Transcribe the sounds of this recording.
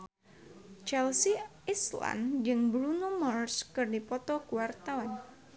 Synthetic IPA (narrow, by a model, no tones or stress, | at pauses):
t͡ʃɛlsiisla̰nd͡ʒɨŋbɾunumɔrskɨrdipɔt̪ɔkuwart̪awan